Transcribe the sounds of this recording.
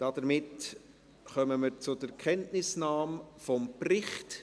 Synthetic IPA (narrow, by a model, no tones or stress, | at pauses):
d̥ɑdəɾmɪt | χœməməɾt͡sʊdəkχɛntnɪsnaːmfɔmprɪχt